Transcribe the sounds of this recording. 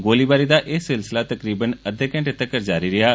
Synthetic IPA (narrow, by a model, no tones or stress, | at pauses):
ɡoːliːbaːɾiːd̪aːʔɪːsɪlsɪlaːt̪əkɾiːbənəd̪ekɛ̃ɳʈt̪ːəkəɾd͡ʒaːɾiːɾɪɦaː